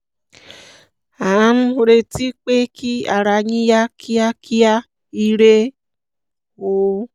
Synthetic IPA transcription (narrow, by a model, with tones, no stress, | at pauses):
a˨ã˨˦n̩˦˧ɾe˧ti˦k͡pe˦kʰi˦a̰˨ɾa˧ɲĩ˦ja˦kʰi˦a˦kʰi˦a˦ | i˧ɾe˦ | wo˨˦